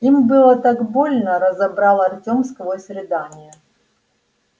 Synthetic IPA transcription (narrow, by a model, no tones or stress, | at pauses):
imbɨlˠət̪aɡbo̞lʲnəɾəzɐbɾalˠɐrtʲomskvosʲɾʲɪd̪anʲɪjə